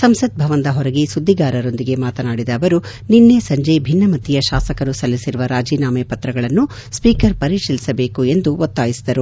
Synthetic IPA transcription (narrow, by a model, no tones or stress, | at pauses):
sɐmsɐd̪̚bʱɐʋɐnd̪ɐɦɔɾɐɡisud̪ʱːiɡaːɾɐɾo̞nd̪iɡe̞maːt̪ɐnaːɽid̪ɐːʋɐɾu | ninːesɐɲd͡ʒebʱinːɐmɐt̪ːijɐʃaːsɐkɐɾusɐlːisiɾuʋɐɾaːd͡ʒiːnaːmeːpɐt̪ɾɐɡɐɭɐnːu | spiːkɐɾpɐɾiʂɐlisɐbeːkue̞nd̪uot̪ːaːjisid̪ɐɾu